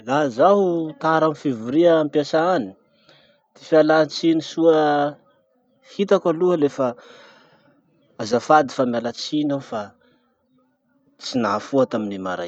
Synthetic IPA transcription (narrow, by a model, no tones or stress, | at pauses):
lazaɦut̪aɾamifivuɾiaampjasaani̥ | t̪i̥fialant͡sinisuə | hit̪akaluəlefa | azafad̪i̥famjalat͡sinafa | t͡sinafuat̪aminima̰ɾa̰j